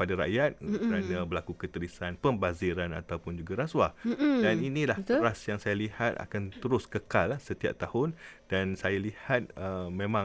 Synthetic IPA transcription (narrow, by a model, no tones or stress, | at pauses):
padaɾa̰jat̪̚kkəɾanãbəlakukət̪əɾisanpəmbaziɾana̰t̪awpʊnd͡ʒuɡaɾaswadaninĩlahət̪ɾasjaŋsajalihat̪a̰kant̪əɾʊskəkalhsət̪ia̰p̚t̪ahʊnd̥ansajalihat̪̚əmẽmã